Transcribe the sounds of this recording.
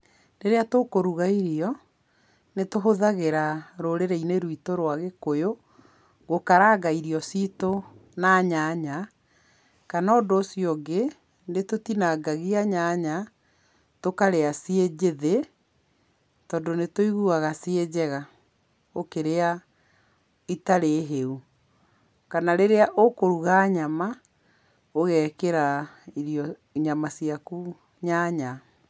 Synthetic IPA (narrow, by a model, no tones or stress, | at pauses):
neɾeatokoɾuɣaiɾiɔ | netoɦoðaɣeɾaɾoɾeɾɛineɾwitoɾwaɣekojo | ɣokaɾaːɡaiɾiɔsitonaːɲaɲa | kanaːndoːsiɔɡe | netotinaɡaɣiaɲaɲa | tokaɾeasied͡ʑeðe | tɔdonetoiɣuɣaɣasied͡ʑɛɣa | okeɾea | itaɾeɦeu | kanaɾeɾeaʔokoɾuɣaːɲama | oɣɛːkeɾaiɾijɔ | ɲamasiaku | ɲaɲa